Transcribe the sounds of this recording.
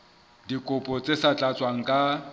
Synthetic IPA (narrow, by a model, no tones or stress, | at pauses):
dikʼʊpʼɔt͡sʼesat͡ɬʼat͡sʼwaŋ̩kʼa